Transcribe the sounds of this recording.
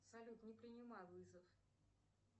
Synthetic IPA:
psɐlʲut̪nʲɪpɾʲɪnʲɪmajvɨzəf

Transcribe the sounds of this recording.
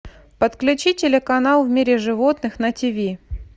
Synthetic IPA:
pət̪klʲʉt͡ɕitʲɪlʲɪkɐnalˠvmʲiɾʲɪʐɨvot̪nɨxnətʲɪvʲi

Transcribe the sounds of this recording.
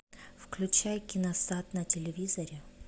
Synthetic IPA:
fklʲʉt͡ɕajkʲɪnɐsat̪nɐtʲɪlʲɪvʲizɐɾʲɪ

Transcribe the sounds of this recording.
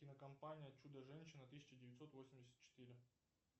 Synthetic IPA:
kʲɪnəkɐmpanʲɪjɐt͡ɕud̪əʐɛnʲɕɪnət̪ɨsʲɪ̥t͡ɕɪdʲɪvʲɪt̪ʲso̞t̪vo̞sʲɪmʲdʲɪsʲə̥t̪t͡ɕɪ̥t̪ɨɾʲɪ

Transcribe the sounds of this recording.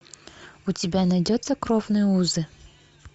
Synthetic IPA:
ʊtʲɪbʲanɐjdʲot̪səkɾovnɨjəuzɨ

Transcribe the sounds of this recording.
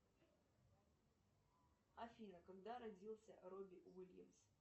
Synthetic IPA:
ɐfʲinəkaɡd̪aɾɐdʲilˠsʲəɾobʲɪwilʲjəms

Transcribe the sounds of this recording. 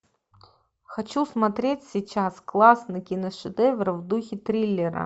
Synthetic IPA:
xɐt͡ɕusmɐt̪ɾʲetʲsʲit͡ɕasklˠasnəkʲinəʂɨd̪ɛvʲrəvd̪uxʲɪt̪ɾʲilʲːɪɾə̰

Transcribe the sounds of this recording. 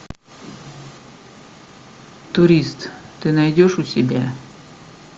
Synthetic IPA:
t̪uɾʲist̪t̪ːɨnajdʲoʂusʲɪbʲa

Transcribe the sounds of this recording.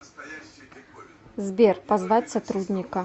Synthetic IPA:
zbʲɛrpazvat͡sʲsat̪ɾud̪ʲnʲikɐ

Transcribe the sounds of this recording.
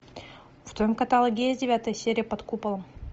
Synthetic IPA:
vt̪ojmkɐt̪alˠəɡʲezʲdʲɪvʲat̪əjsʲeɾʲɪjəpɐt̪kupəlˠəm

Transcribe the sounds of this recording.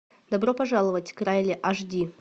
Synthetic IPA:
d̪ɐbropɐʐalˠəvətʲkɾajlʲɪʔaʐdʲi

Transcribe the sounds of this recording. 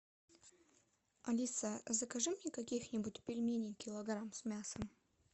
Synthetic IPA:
ɐlʲisəzəkɐʐɨmnʲɛkɐkʲixnʲɪbutʲpʲɪlʲmʲenʲɪjkʲɪlˠɐɡɾamsmʲasəm

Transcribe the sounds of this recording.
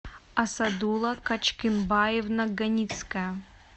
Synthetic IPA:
ɐsɐd̪ulˠɐkɐt͡ʃkʲɪnbajɪvnɐɡɐnʲit̪skɐj

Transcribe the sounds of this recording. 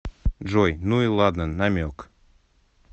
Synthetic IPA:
d͡ʒojnuilˠɑd̪nənːamʲok

